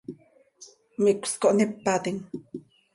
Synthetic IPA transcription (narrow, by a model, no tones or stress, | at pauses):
mikʷskoʔnipːat̪iŋ